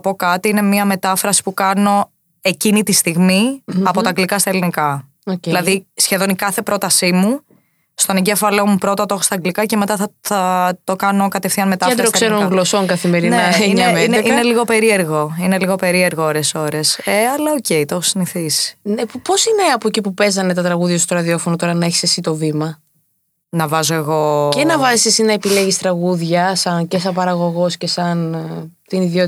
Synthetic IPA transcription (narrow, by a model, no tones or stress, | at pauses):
ɐpo̞kɐt̪iine̞miɐme̞t̪ɐfɾɐsi̥pukɐno̞ | e̞cinit̪ist̪iɣmiɐpo̞t̪ɐɡlikɐst̪ɐelinikɐ | oilɐððisçe̞ðo̞nikɐθe̞pɾo̞t̪ɐsimu | st̪o̞neɲɟefɐlo̞mupɾo̞t̪ɐt̪o̞xost̪ɐɡlikɐceme̞t̪ɐθɐθɐt̪o̞kɐno̞kɐt̪efθiɐnmet̪ɐed̪ɾoksseɾoɣlosoŋkɐθimeɾineɐɲɐineʔineliɣo̞pe̞ɾie̞ɾɣo̞ine̞liɣo̞pe̞ɾie̞ɾɣooɾe̞so̞ɾe̞seɐlɐoce̞it̪o̞xo̥siniθisi̥nepo̞sine̞ɐpoecipupe̞zɐne̞t̪ɐt̪ɾɐɣuðʝɐst̪oɾɐðio̞fonot̪o̞ɾɐnɐeçi̥se̞sit̪o̞vimɐ | nɐvɐzoe̞ɣo̞enɐvɐzisesinɐepileʝist̪ɾɐɣuðʝɐsɐnces̬ɐpɐɾɐɣo̞ɣo̞scesɐnt̪iniðjo̞t̪